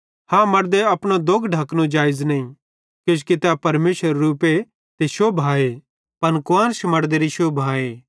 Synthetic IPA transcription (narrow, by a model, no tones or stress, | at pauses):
hãmɐɽd̪eɐpɽ̃od̪oɡɖʱɐknũd͡ʒaːɪznɐĩ | kjõːt͡ʃkit̪apɐɾmeːʃəɾːuːpe | t̪eʃobʱaːe | pɐnkʋãːnʃmɐɽd̪eːɾiʃobʱaːe